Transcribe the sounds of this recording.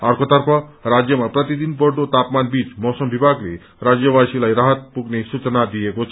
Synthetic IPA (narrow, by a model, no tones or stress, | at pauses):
aɾkʰot̪əɾpʰɔɾad͡ʑjəmapɾət̪id̪inpɔɾɖot̪apmanbiːt͡smɔsəmbʱibʱaɡlḛ | ɾad͡zjəʋasilajɾaɦət̪̚puɡnesut͡ʃnad̪ijekot͡ʃʰ